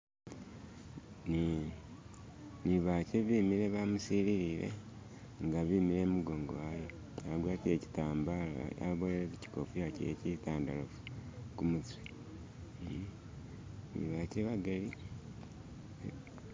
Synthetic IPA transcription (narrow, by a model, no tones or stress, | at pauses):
ni | niβaːceβiːmiɾe̞βamusiɾiɾiɾe̞̰ | ŋɡaβimiɾe̞ːmuɡo̞ŋɡowajo | aɡwaːtieci̥taːmbala̰βojeɾekeci̥kofujacecitaːndalofu̥kumut͡swe | nḭβaːceβaɡali